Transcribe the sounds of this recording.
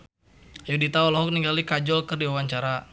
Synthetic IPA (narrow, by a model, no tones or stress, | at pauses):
ajudit̪aɔlɔɦɔk̚niŋɡalikad͡ʒɔlkərdiwawaɲt͡ʃaɾa